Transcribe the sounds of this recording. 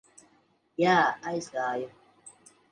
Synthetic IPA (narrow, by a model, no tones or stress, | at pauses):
jaːajskaːjo